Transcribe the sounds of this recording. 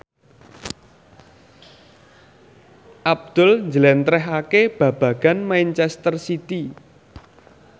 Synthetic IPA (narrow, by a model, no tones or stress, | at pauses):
ʔab̚d̪̥ʊlɲd͡ʒəlɛnt̪ɾɛɦakeb̥ä̤b̥ä̤ɡ̥anmajnt͡ʃɛst̪ərsit̪i